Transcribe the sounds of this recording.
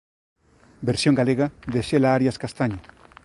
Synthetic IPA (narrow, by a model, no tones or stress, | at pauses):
beɾsjõŋɡaleɣaðeʃelaaɾjaskast̪aɲo